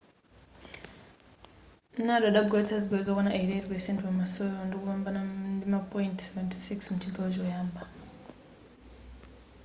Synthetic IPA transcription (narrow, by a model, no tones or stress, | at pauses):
nadaɗaɡoetaziɡwazokanaʔeiɾeɾipesentwamasojondikuβaːmbanandimapojintseventi̥siksmut͡ʃiɡawot͡ʃoːjaːmba